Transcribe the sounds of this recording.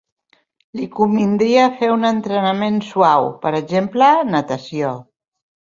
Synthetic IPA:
likumbind̪ɾiəːfeunənt̪ɾənəmensuawpəɾəʒemplənət̪əsio

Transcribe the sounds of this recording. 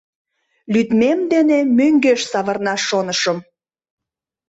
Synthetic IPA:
lyt̪memd̪enemøŋɡeʃsɑβə̆rnɑʃonəʃəm

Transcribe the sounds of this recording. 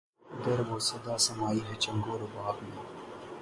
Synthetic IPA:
ɐɡ̪ɐɾʋoːsɐd̪aːsɐmaːiːɦɛːt͡ʃɐŋɡoːɾobaːbneː

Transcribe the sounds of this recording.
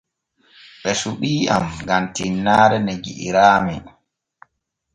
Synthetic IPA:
ɓɛsuɓiːa̰mɡamtinːaːɾɛneɡḭʔḭɾaːmɛ

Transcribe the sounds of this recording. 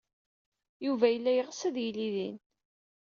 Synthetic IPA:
juvæjəlːæjəʁsəðjiliðin

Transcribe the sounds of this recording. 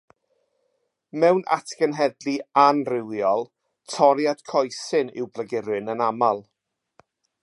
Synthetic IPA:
mɛwnʔa̰tʰɡənɦɛdlianrɪwjɔlˠ | tʰɔɾjad̥kʰɔjsɨnɪ̰wblˠəɡɪɾɨnənamalˠ

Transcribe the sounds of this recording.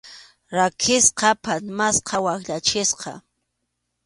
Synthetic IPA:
ɾakʰɪsqɑpasmasqɑwakʎat͡ʃɪsqɑ̰

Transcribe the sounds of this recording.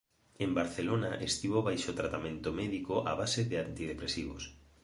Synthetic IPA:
embaɾθelonaʔest̪iβoβajʃot̪ɾat̪amẽnt̪omɛðikoʔa̰β̞aseðeant̪ið̞epɾesiβo̰s

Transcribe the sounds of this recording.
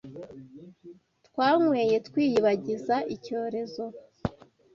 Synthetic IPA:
tkwaːŋweːje̞tkwiːjiβaɟizaʔico̞ːɾe̞zo̞

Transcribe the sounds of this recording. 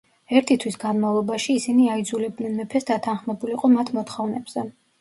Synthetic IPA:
ɛɾt̪ʰit̪ʰwisɡanmavlˠɔbaʃiːsiniaid̪zulɛb̚d̪nɛnmɛpʰɛsd̪at̪ʰanχmɛbuliqʼɔmat̪ʰmɔt̪ʰχɔvnɛbz̥ɛ

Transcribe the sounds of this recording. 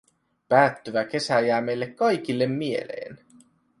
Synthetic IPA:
pæːt̪ːyʋæke̞sæjæːmejlːekkɑjk̟ilːe̞mːie̞̰lḛːn

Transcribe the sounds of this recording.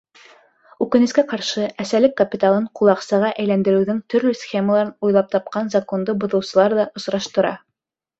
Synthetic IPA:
ʉkɘ̆nɘ̆skæqɑɾʃɤæsælɘkːɐpʲit̪alˠɤɴqulˠɑqsɑʁɑʔæjlænd̪ɘ̆ɾɘ̆wðɵŋt̪ɵ̆ɾlɵsxʲeməlˠɑɾɤnujlˠɑp̚t̪ɑp̚qɑnzɐko̞nd̪ɤbŏðɤ̆wsɤ̆lˠɑɾðɑʔŏsɾɑʃt̪ɤ̆ɾɑ̰

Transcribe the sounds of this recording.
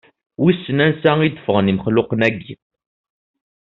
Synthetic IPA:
wisːənænsæid̪əfəʁəniməχlʊqənæɡːi

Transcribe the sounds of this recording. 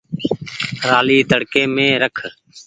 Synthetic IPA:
ɾaːliːt̪əɽkeːmẽːɾəkʰ

